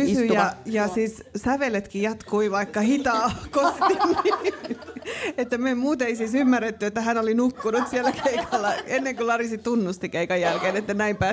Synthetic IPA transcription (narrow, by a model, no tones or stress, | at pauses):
ysyjɑjɑsiːssæʋelet̪kijɑt̪kuiʋɑikːɑhit̪ɑːkoskini | et̪ːæmeimmuːt̪eisiːsymːærːet̪ːyet̪ːæhænolinukːunut̪siælːækʰeikʰɑlːɑenːeŋkulɑrisit̪unːust̪ikeikɑjjælkeːnet̪ːænæimpæː